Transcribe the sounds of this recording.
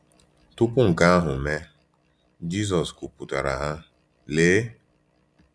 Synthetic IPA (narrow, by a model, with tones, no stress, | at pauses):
tʊ˦pʊ˦ŋ̩˨ka˦a˦ɦʊ˨me˦ | d͡ʒi˦s̬ɔ˨sku˨pu˨ta˨ɾa̰˨ɦa˦ | leː˦